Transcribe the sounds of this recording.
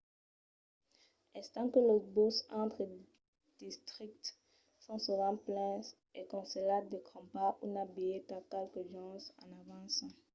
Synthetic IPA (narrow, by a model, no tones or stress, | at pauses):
ɛst̪ɑ̃kəlobosɑ̃t̪χə | d̪̥ist̪χik̚t̪ | sɔ̃suvɑ̃plɛ̃s | ekɔ̃selatd̪ekʰɔ̃paunabiet̪akɛlkəʒɑ̃sɑ̰̃navɑ̃sɑ̃